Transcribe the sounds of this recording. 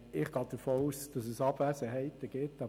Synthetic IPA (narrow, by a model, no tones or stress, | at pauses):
ɪχɡ̥ɑːd̥əfoːuːsd̥ɑsɛsɑbvæːsəɦɛɪt̪əɡ̥ɪtɑ